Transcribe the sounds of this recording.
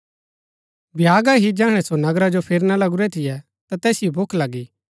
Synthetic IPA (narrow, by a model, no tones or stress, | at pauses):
bʱjaːɡaɦid͡ʒɛːəɽ̃ɛsonɐɡɾad͡ʒopʰɪɾnalɐɡʊɾɛt̪ʰɪjɛ | t̪at̪ɛːsijobʱokʰlɐɡiː